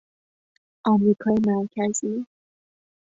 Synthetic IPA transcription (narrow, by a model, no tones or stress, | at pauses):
ʔɒmɾiːkʰɒːjemæɾkʰæzi